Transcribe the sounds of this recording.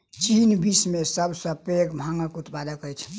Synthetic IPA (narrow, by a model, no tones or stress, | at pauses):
t͡ʃinbismesəbsə̃pekbʱaŋəkut̪pad̪əkəjt͡ʃʰ